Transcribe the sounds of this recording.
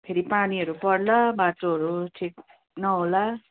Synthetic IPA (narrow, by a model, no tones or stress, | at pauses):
pʰeɾipaniʌɾupʌɽlabaʈoɦʌɾuʈʰik̚ | nʌɦola